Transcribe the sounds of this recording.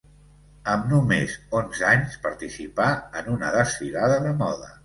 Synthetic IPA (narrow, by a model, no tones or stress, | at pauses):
əmnumezonzaɲspəɾt̪isipaənunəðəsfiɾaðəðəmɔðə